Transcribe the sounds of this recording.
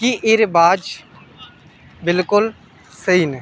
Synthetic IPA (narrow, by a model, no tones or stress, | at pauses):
kiʔeːɾebaːd͡ʒ | bɪlkʊl | səiːnɛ